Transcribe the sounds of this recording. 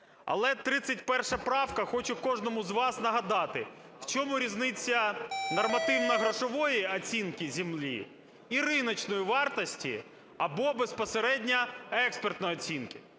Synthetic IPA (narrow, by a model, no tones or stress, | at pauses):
ɐ̰lˠɛt̪ɾɪsʲɐtʲpɛrʃɐpɾɑwkɐxɔt͡ʃʊkɔʒnɔmʊzʋɑsnɐɦɐd̪ɑt̪ɪ | w̥t͡ʃɔmʊɾʲiznɪt͡sʲːɐnɔrmɐt̪ɪwnɐɦɾɔʃɔʋɔjiɐt͡sʲinkʲɪzʲimlʲḭ | iɾɪnɔt͡ʃnɔjiʋɑrt̪ɔsʲtʲḭ | ɐ̰bɔbespɔseɾɛdʲnʲɐɛkspert̪nɔjɔt͡sʲinkɪ